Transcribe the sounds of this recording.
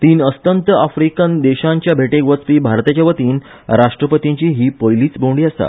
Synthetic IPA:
t̪iːnəst̪ənt̪əafɾikənd̪eɕãɲt͡ɕjabʱeʈeɡʋət͡spiːbʱaɾt̪at͡ɕaʋət̪iːn | ɾaʂʈɾəpət̪iɲt͡ɕiːɦiːpəjliːt͡sbʱoɳɖiːast̪a̰

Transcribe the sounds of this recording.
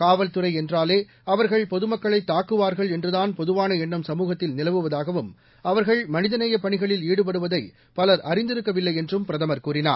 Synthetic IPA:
kaːʋɐlt̪ɯɾɐɪɛndraːleː | ɐʋɐɾɣɐɭpɔðɯmɐkːɐɭɐɪt̪ːaːkːɯʋaːɾɣɐɭɛndrɯðaːnpɔðɯʋaːnɐɛnːɯmsɐmuːɣɐt̪ːɪlnɪlɐʋɯʋɐðaːɣɐʋɯm | ɐʋɐɾɣɐɭmɐnɪðɐnɐjɐpɐɳɪɣɐɭɪliːɽɯp̬ɐɽɯʋɐðɐɪ | pɐlɐɾʔɐrɪnd̪ɪɾɯkːɐʋɪlːɐɪɛndrɯmpɪɾɐðɐmɐɾkuːrɪna̰ːɾ

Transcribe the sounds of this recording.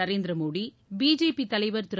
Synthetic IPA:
ɐɾeːnd̪ɪɾɐmoːɽi | biːd͡ʒeːpit̪ɐlɐɪʋɐɾt̪ʊɾ

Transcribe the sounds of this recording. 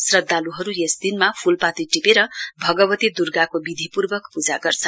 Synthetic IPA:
srʌd̪ːaluɦʌɾujesd̪inmapʰulpat̪iʈipeɾʌbʱʌɡʌbʌt̪id̪urɡakobid̪ʱipurbʌkpud͡zaɡʌrt͡sʰʌnn

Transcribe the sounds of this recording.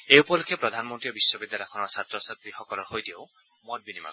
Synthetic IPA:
eupɔlukʰːepɾɔd̪ʱanɔmɔnt̪ijɔbisːɔbid̪jalɔjɔkʰɔnɔɾsat̪ɾɔsat̪ɾihɔkɔlɔɾhojtiew | mɔd̚binima̰

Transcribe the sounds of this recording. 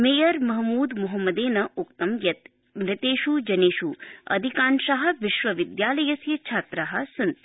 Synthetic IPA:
meːjɐɾmɐɦmuːd̪muɦɐmːɐd̪eːnɐukt̪ɐmjɐt̪̚ | mɾɪt̪eːʃud͡ʒɐneːʃuɐ̰d̪ʱikaːnʃaɦɐ̆ʋɪʃʋɐʋɪd̪jaːlɐjɐsjɐt͡ʃʰaːt̪ɾaɦɐ̆sɐnt̪

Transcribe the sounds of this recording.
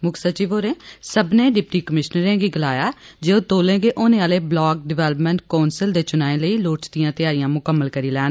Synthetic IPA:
mʊksət͡ʃiːʋoːɾẽːsəbneːɖɪpʈiːkəmɪʃnəɾẽːɡiːɡəlaːjaːd͡ʒeːoːt̪oːlẽːɡeːʔoːnẽːaːleːblɔːk̚ɖɪʋɛːləpmɛ̃ːɳʈ̚kaːnsɪld̪eːt͡ʃʊnaːẽːləiːloːt͡ʃd̪ijãːt̪ɪjaːɾijãːmʊkəmːəlkəɾiːlɛːn

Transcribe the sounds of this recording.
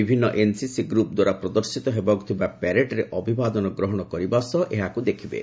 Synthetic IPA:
ibʱinːɔʔensisiɡɾupd̪waɾapɾɔd̪ɔɾsit̪ɔɦebɔɡt̪ʰibapɛɾeʈɾeʔɔbʱibad̪ɔnɔɡɾɔɦɔɽ̃ɔkɔɾibasɔʔeɦakud̪ekʰibḛ

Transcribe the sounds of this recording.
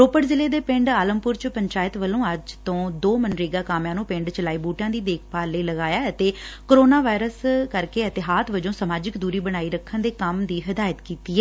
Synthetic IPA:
ɾoːpəʈzɪleːd̪eːpɪ̃ɳɖaːləmpʊɾt͡ʃpəɲt͡ʃaːjət̪ʋəlõːəd͡ʒt̪õːd̪oːmənɾiːɡaːkaːmjãːnũːpɪ̃ɳɖt͡ʃəlaːiːbuːʈãːd̪iːd̪eːkʰpaːləiːləɡaːjaːət̪eːkoɾoːnaːʋaːɪɾəskəɾkeːət̪ɪɦaːt̪ʰʋəd͡ʒõːsəmaːd͡ʒɪkd̪uːɾiːbəɽ̃aːiːɾəkʰːənd̪eːkəmd̪iːɦəd̪aːjət̪kiːt̪iːɛː

